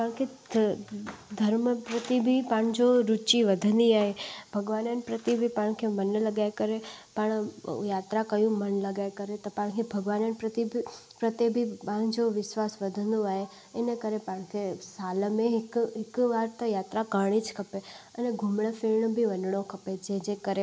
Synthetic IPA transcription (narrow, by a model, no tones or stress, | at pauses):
paəɳke | d̪ʱəɾməpɾət̪ibʱipaɳd͡ʒoɾut͡ʃiʋəd̪ʱənd̪iaɦebʱəɡʋanənpɾət̪ibʱipaɳkʰemənləɡajkəɾepəɳjaːt̪ɾakəjũmənləɡajkəɾet̪opaɽ̃kʰebʱəɡʋanənpɾət̪ibpɾət̪ebʱipãɳd͡ʒoʋɪsʋasʋəd̪ʱənd̪uaɦe | enekəɾepaɳ̃kʰesalmẽɦkɪkʋaɾt̪əjat̪ɾakəɳ̃it͡ʃkʰəpeəneɡʱumɳəfiɾɳbʱiʋənɳokʰəped͡ʒed͡ʒekəɾe